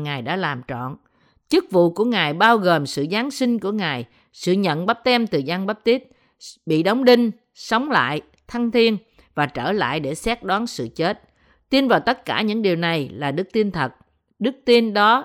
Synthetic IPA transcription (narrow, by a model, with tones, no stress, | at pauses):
ŋaː˨˩jɗa̰ː˧˥laː˨˩mt͡ɕɔ̰˧˨n | t͡ɕɨ˦˥k̚vṵ˧˨ku˧˩əŋaː˨˩jɓaː˧wɣoː˨˩msɨ̰˧˨zaː˨˦nsï˧ŋ̟ku˧˩əŋaː˨˩j | sɨ̰˧˨ɲə̰˧˨nɓa˦˥p̚t̪ɛ˧mt̪ɨ˨˩za˧ŋɓa˦˥p̚t̪i˦˥ət̚ | ɓḭ˧˨ɗə˨˦wŋ͡mɗï˧ŋ̟ | sə˨˦wŋ͡mla̰ː˧˨j | t̪ʰa˧ŋt̪ʰi˧ən | vaː˨˩t͡ɕəː˧˩la̰ː˧˨jɗe˧˩sɛ˦˥t̚ɗɔː˨˦nsɨ̰˧˨t͡ɕe˦˥t̚ | t̪i˧nvaː˨˩wt̪ə˦˥t̚kaː˧˩ɲɨ̰˧˥ŋɗi˨˩əwna˨˩jlaː˨˩ɗɨ˦˥k̚t̪i˧ənt̪ʰə˨˩t̚ | ɗɨ˦˥k̚t̪i˧nɗɔ˨˦